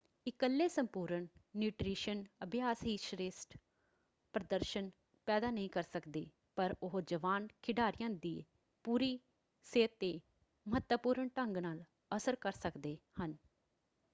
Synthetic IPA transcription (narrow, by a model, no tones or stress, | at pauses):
ɪkəlːeːsəmpuːɾəɳːjuːʈɾiːʃənəbʱjaːsiːʃɾeːsʈ | pɾəd̪əɾʃən | pɛːd̪aːnəɦĩːkəɾsəkd̪eː | pəɾʊɦd͡ʒəʋaːnkʰɪɖaːɾɪjãːd̪iː | puːɾiː | seːt̪ːeː | məɦət̪wəpuːɾəɳʈəŋɡnaːl | əsəɾkəɾsəkd̪eːhən